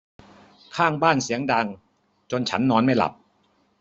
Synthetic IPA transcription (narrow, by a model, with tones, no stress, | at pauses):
kʰaː˥˩ŋbaː˥˩nsi˩˦əŋda˧ŋ | t͡ɕo˧nt͡ɕʰa̰˦˥nːɔː˧˥nma˥˩jla̰˨˩p̚